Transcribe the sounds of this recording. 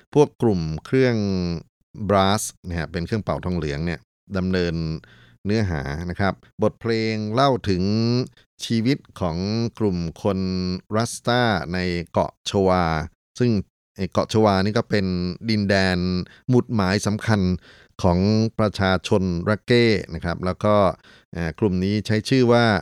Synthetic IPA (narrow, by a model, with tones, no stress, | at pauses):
pʰu˥˩əkːlu˨˩mkʰɾɯ˥˩əŋ | bɾaː˦˥sna˥˩a˥˩pe˧nkʰɯ˥˩əŋpa˨˩wt̪ʰɔː˧ŋlɯ˩˦əŋni˥˩ɐ | da˧mnɤː˧nː | ɯ˦˥ɐɦa̰ː˩˦na˦˥kʰɾa˦˥p̚bo˨˩t̪̚pʰleː˧ŋla˥˩wt̪ʰɯ˩˦ŋ | t͡ɕʰiː˧wi˦˥t̪̚kʰɔː˩˦ŋklu˨˩mkʰo˧nɾa˦˥st̪aː˥˩na˧jkɔ̰˨˩ʔt͡ɕʰo˧waː˧ | sɯ˥˩ŋ | ʔa˧˩jkɔ̰˨˩ʔt͡ɕʰoː˧waː˧niː˥k̬ɔː˥˩pe˧ndi˧ndɛː˧n | mu˨˩t̪̚maː˩˦jsa˩˦mkʰa˧n | kʰɔː˩˦ŋpɾa˧t͡ɕʰaː˧t͡ɕʰo˧nɾa˧˥keː˥˩na˦˥kʰɾa˦˥p̚lɛː˦˥wkɔː˥˩ | ʔaː˨˩klu˨˩mniː˦˥t͡ɕʰa˦˥jt͡ɕʰɯː˥˩waː˥˩